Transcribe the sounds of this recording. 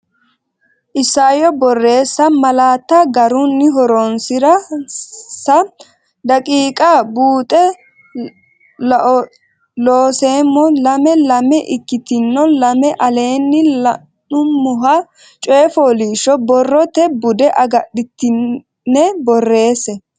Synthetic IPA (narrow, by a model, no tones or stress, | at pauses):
ʔɪsːaːjɔbɔrːe̞ːsːɐmɐlaːt̪ːɐɡɐɾʊnːɪɦɔɾonsɪɾɐ | sɐ | d̪ɐkʼiːkʼabuːt̪ʼɛ | loːseːmːɔlɐmɛlɐmɛʔɪkːɪt̪ɪnːɔlɐmɛʔɐle̞ːnːɪ | nʊmːʊɦɐ | t͡ʃʼɔjɛfɔliːʃɔbɔrːɔt̪ɛbʊd̪ɛʔɐɡɐɗɪt̪ːɪnː | ɛbɔrːe̞ːsːɛ